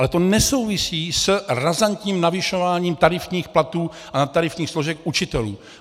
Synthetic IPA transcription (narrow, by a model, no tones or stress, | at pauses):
alɛt̪o̞nɛso̞wvɪsiːsrazant̪ɲiːmnavɪʃo̞vaːɲiːmt̪aɾɪfɲiːxplat̪uː | ʔanat̪ːaɾɪfɲiːxsloʒɛkʔut͡ʃɪt̪ɛlṵː